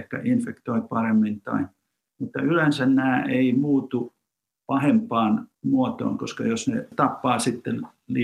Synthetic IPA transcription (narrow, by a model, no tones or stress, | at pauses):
hkæ̰ʔinfekt̪oipɑremːint̪ɑ̰in | mut̪ːɑylensænnæːeimuːt̪u | pɑhempˑɑːnmuot̪o̰ːŋkoskɑjosnḛt̪ɑpːɑːsit̪ːel | li